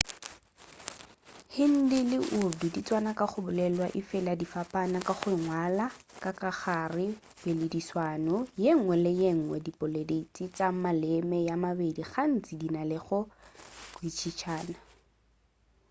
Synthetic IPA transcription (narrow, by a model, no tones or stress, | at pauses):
hɪn̩dilɪʔʊdudit͡sʼwanakʼaχʊbʊlɛlwaʔɪfɪladifapʼanakʼaχʊɪŋwalakʼakaχarɪ | belediswaːnɔjeŋ̩wɛlɪjeŋ̩ŋwɛdipʼʊledet͡sʼit͡samalɛmɛjamabediχan̩t͡sʼidinalɪχʊkwit͡ʃʰit͡ʃʰaːna